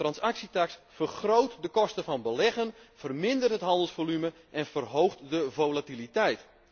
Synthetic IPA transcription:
trɑnsaksitaksfərxrowtdəkɔstəvɑnbəlɛɣənfərmɪndərtɦətɦɑndəlˠsfolymə | ʔɛnfərɦowxtdəvowlatilitɛjt

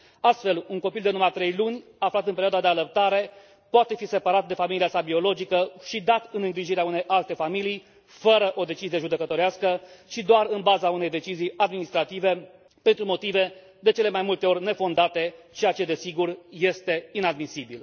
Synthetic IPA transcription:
ast̪fe̞luŋko̞pild̪enumat̪ɾe̞jlunʲaflat̪ɨnpeɾiad̪ad̪e̞aləp̚t̪aɾe̞ | poat̪e̞fise̞paɾat̪̚d̪e̞familiasabio̞lo̞d͡ʒikəʃid̪at̪ɨnɨŋɡɾiʒiɾeaune̞jʔalt̪e̞familij | fəɾəʔo̞d̪e̞t͡ʃizije̞ʒud̪e̞kət̪o̞ɾeaskəʃid̪oaɾɨnbazaunejd̪e̞t͡ʃizijad̪minist̪ɾat̪ive̞ | pe̞nt̪ɾumo̞t̪ive̞ | d̪e̞t͡ʃe̞le̞majmult̪eo̞rʲne̞fo̞nd̪at̪e̞t͡ʃejat͡ʃe̞d̪e̞siɡurje̞st̪e̞inad̪misibil

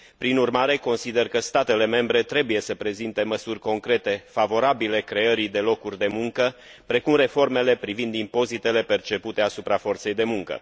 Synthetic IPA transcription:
pɾinurmaɾe̞ko̞nsid̪erkəst̪at̪e̞le̞me̞mbɾe̞t̪ɾe̞buje̞səpɾe̞zint̪e̞məsurʲko̞ŋkɾe̞t̪e̞favo̞ɾabile̞kɾe̞əɾid̪e̞lo̞kurʲd̪e̞muŋkə | pɾe̞kumre̞fo̞rme̞le̞pɾivind̪impo̞zit̪e̞le̞pe̞rt͡ʃe̞put̪e̞asupɾafo̞rt̪se̞jd̪e̞muŋkə̰

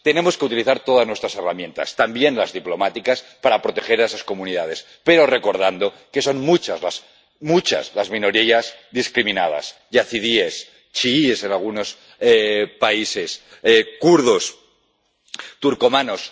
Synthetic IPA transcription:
t̪e̞ne̞mo̞ske̞ut̪iliθaɾt̪o̞ð̞aznwest̪ɾase̞ramjẽ̞nt̪a̰st̪ambje̞nlazðiplo̞mat̪ikaspaɾapɾo̞t̪e̞xe̞ɾaesasko̞munið̞að̞e̞s | pe̞ɾo̞re̞ko̞ɾð̞and̪o̞ | ke̞so̞nmut͡ʃazlas | mut͡ʃa̰zlazmĩno̞ɾiazðiskɾimĩnað̞a̰sjaθiðies | t͡ʃiiese̞nalɣ̞uno̞s | epaise̞s | ekuɾð̞os | t̪uɾko̞mano̞s

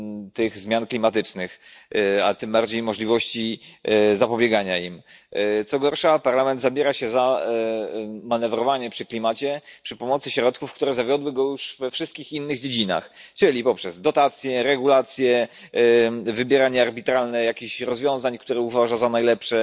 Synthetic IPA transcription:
t̪ɘɣzmʲjanklʲimat̪ɘt͡ʂnɘxa̰t̪ɘmbaɾd͡ʑejmɔʐlʲivɔɕt͡ɕizapɔbʲjɛɡaɲaimt̪sɔɡɔɾʂapaɾlamɛnd̪zabʲjɛɾaɕɛza | manɛvɾɔvaɲɛpʂɘklʲimat͡ɕɛpʂɘpɔmɔt̪sɘɕɾɔt̪̚kufkt̪uɾɛzavʲjɔd̪wɘɡɔjuʂv̥ɛfʂɘst̪kʲixinːɘɣd͡ʑed͡ʑina̰xt͡ʂɘlʲipɔpʂɛzd̪ɔt̪at̪sʲjɛɾɛɡulat̪sʲjɛ | vɘbʲjɛɾaɲɛaɾbʲit̪ɾalnɛjakʲiɕɾɔzvʲjɔ̃w̃zaɲkt̪uɾɛuvaʐazanajlɛpʂɛ

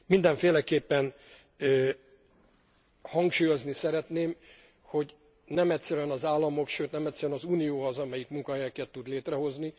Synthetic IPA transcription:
mind̪ɛɱfeːlɛkeːpːɛn | hɒŋkʃuːjo̞znisɛɾɛt̪neːm | ho̞ɟ | nɛmɛt̪ʲsɛɾyɛnɒzaːlːɒmo̞kʃøːt̪nɛmɛc̪ʲsɛɾyɛnɒzuːnijoːɦɒzɒmɛjikmuŋkɒɦɛjɛkɛt̪ːud̪leːt̪rɛɦo̞zni

